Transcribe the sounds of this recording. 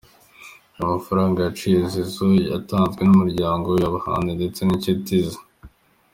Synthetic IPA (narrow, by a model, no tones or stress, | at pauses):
amafaɾaːŋɡajat͡ʃizizoja̰taːnzɡwe̞numuɾɟaːŋɡo̞jaβaha̰ːninde̞t͡se̞nicitizḁ